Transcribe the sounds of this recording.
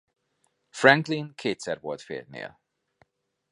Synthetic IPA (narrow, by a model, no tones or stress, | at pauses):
frɛŋklinkʰeːt̪sɛrvolt̪fḛːt̪nḛːl